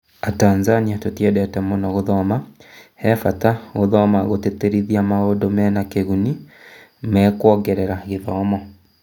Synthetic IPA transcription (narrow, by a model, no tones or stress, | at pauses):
ataːnzaniatotiɛdɛtɛmɔnɔɣoðɔmahɛfataɣoðɔmaɣoteteɾiðiamaodomɛɛnakeɣuni | mɛːkwɔːɡɛɾɛɾaɣeðɔmɔ